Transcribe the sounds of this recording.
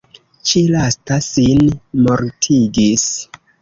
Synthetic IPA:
t͡ʃilastasinmo̞ɾtʰiɡis

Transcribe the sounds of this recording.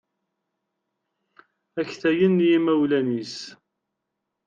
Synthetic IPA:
æçθæjənːjimæwlænis

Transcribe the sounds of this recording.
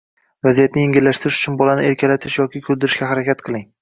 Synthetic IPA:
vazijat̪nɪjɪŋʲɪlːaʃt̪ɪɾɪʃʊ̥t͡ʃʰʊnbɒlanɪeɾkʲʰalat̪ʰɪʃjɒkʲɪkʲʰɵlˠd̪ɪɾɪʃkʲahaɾakʲat̪qʰɨlˠɪŋ

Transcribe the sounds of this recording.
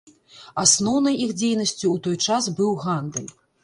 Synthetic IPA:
asnɔwnɐjixd͡zʲejnɐsʲt͡sʲuut̪ɔjt͡ʂazbɨwɣand̪ɨlʲ

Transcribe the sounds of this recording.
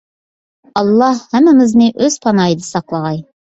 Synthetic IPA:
ɑlˠːɑhːæmːɪmɪznɪʔɵz̥pʰɑnɑjd̪ɨsɑqlˠɑʁɑj

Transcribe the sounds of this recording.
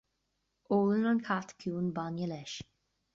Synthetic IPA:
oːlənɔnkʰat̪kʰjuːnbanjəlɛʃ

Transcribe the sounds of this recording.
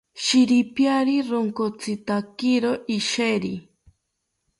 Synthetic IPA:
ʃiɾipjaɾiɾoŋkot͡sit̪akiɾoʔiʃeɾi

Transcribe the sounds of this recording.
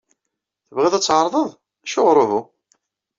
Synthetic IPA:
θəvʁiðˤæt͡sːʕəɾˤðˤəðˤ | æʃoʁɾˤovʊ

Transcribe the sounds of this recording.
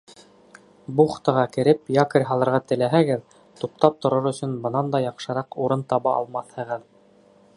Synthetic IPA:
buχt̪ɤ̆ʁɑkɘ̆ɾɘpjɑkɘ̆ɾʲɦɑlˠɤ̆ɾʁɑt̪ɘ̆læɦæɡɘð | t̪up̚t̪ɑp̚t̪ŏɾɤɾɵ̆sɵnbɤ̆nɑnd̪ɑjɑqʃɤ̆ɾɑquɾɤnt̪ɑβɑʔɑ̰lˠmɑθhɤ̆ʁɤð

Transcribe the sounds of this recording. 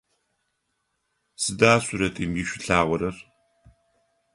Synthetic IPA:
sɨdaːsuɾɐtʼiːmjɪʃʷɪɬaːʁʷɔɾɐr

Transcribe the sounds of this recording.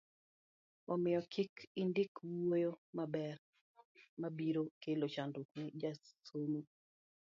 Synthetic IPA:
ɔmɪjɔkʰikindɪkwojomabɛr | mabiɾokelot͡ʃandokwed͡ʒasomu

